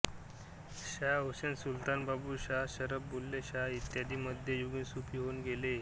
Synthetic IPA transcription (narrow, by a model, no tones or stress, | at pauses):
ɕaɦoɕensult̪anbabuːɕaɦɕəɾəbbulːeɕaɦit̪jad̪iːməd̪ʱjejuɡĩsupiːɦoːnɡele